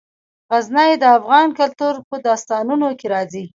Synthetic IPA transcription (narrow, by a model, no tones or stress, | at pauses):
ɣaznajed̪əafɣɑnkalt̪uɾpəd̪ɑst̪ɑnunokeɾɑzi